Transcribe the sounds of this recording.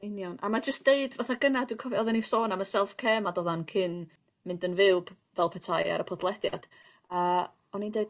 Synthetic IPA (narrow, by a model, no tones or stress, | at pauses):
ɨnjɔnʔamad͡ʒəstd̥eɨdvaθaɡənadwikʰɔvjɔðɛnisoːnamasɛlˠfkʰɛːmadɔðankʰɪn | mɪndənvɪwb̥ | vɛlˠpʰɛtʰaja̰ɾəpʰɔdlˠɛdja̰d̥ | ə | ɔnindeɨd̥